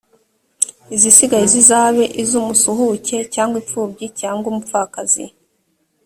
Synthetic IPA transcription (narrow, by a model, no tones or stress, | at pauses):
izisiɡajizizaːβe̞ʔizumusuɦuce̞caːŋɡwip͡fuːbɟicaːŋɡomupfakazḭ